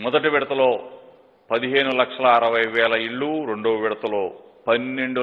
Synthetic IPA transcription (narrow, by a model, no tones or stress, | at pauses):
mɔd̪ɐʈiʋiɽɐt̪ɐlo̞ː | pɐd̪iɦe̞ːnulɐkʂɐlɐːɾɐʋɐjʋɛːlɐiɭːuɾe̞ɳɖoːʋɐʋiɽɐt̪ɐlo̞ː | pɐnːeɳɖu